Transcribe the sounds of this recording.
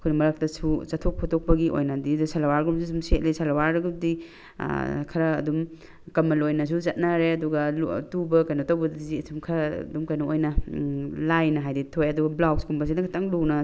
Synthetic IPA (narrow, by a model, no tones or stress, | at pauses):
kʰojnɐmɐɾak̚tɐsusɐtʰok̚pʰotok̚pɐɡiʔo̰jnɐdidsalɐwaɾɡumsusumset̚lejsalɐwaɾɐɡudḭ | kʰɐɾɐ̰ːdum | kɐmːɐlojnɐs̬uzɐt̚naɾeɐduɡɐltubɐkɐjnɐtɐwbɐdziɐsumkʰɐɾdumkɐjnɐojnɐ | lajnɐɦajditʰojɐduɡɐblakskumbɐs̬inɐkʰatʰaŋlunɐ